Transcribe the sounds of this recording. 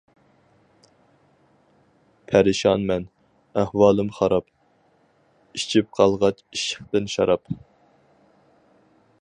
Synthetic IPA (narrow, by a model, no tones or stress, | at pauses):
pʰæɾɨʃɑnmɛn | æhwɑːlˠɨmχɑɾɑp | it͡ʃʰip̚qʰɑlˠʁɑt͡ʃiʃə̥χt̪ɨnʃɑɾɑp